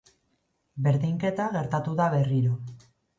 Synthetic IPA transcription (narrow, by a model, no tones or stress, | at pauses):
be̞ɾðiŋke̞t̪aɣe̞ɾt̪at̪uðaβe̞riɾo